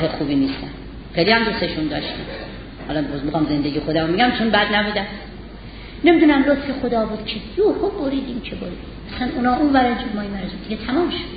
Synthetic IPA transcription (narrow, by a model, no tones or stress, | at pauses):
ɦexuːbiːniːst̪æn | χejlihæmd̪useʃund̪ɒːʃt̪im | hɒːlɒbozmixɒmze̞nd̪e̞ɡiːxod̪æmomiɡæmt͡ʃʰonbæd̪næbuːd̪æ | nemid̪uːnæmɾot̪fexod̪ɒːbuːd̪̥cʰejuhoboɾiːd̪imcʰeboɾiːd̪i | æsænʔunɒːʔunvæɾænd͡ʒemɒːimæɾozud̪iɡet̪ʰæmɒːmʃo̥d̪̥